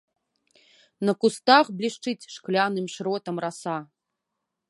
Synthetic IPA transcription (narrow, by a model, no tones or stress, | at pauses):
nɐkust̪axblʲiʂt͡ʂɨt͡sʲʂklʲanɨmʂɾɔt̪ɐmrasa